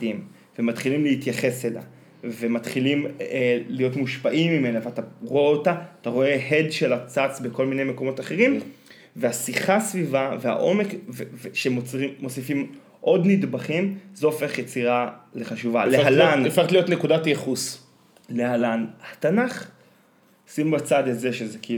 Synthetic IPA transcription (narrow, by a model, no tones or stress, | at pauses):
im | vemat̪χilimleitjaχe̞sela̰ | vematχilimelijo̞tmuʃpaʔimːime̞naveataʁoeotaataʁo̞e̞ɦe̞dʃe̞lat͡sat͡sbeko̞lmine̞jme̞ko̞mo̞taχe̞ʁim | vehasiχasvivave̞a̰ʔo̞me̞kveveʃemoiːo̞sifim | ʔo̞dnidbaχimzoːfe̞χjet͡siʁale̞χaʃuvaleallanfeet̪lijo̞t̪nekudatjeχus | le̞halanhatanaχ | simbat͡sadazeʃezeki